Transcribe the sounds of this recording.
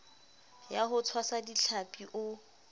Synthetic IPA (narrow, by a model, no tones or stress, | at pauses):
jaɦʊt͡sʰwasadiɬʰapʼiʔʊ